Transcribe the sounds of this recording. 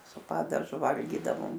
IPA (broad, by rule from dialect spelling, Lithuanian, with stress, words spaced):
sʊ ˈpɑːdɐʒʊ ˈʋɐlʲɡʲiːdɐʋoːm